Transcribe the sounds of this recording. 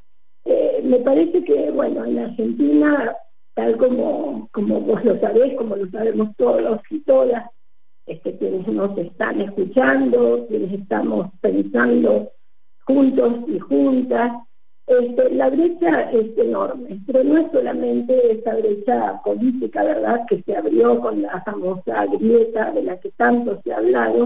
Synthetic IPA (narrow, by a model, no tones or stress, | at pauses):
eme̞paɾese̞keβwenoenaɾxe̞nt̪ina | t̪alko̞mo̰komoβozlo̞saβeskomolo̞saβemost̪oðosit̪o̞ðas | est̪ekjenesno̞sest̪a̰ne̞skut͡ʃand̪okjenesest̪a̰mospe̞nsand̪o̞ | xunt̪o̞sixunt̪as | est̪elaβɾet͡ʃaesenoɾme̞peɾonoesːolamẽnt̪eesaβɾet͡ʃapo̞lit̪ikaβeɾðaðke̞seaβɾjo̞ko̞nlafamo̞sa̰ɡɾje̞t̪aðelaket̪ant̪o̞sea̰βlaðo̞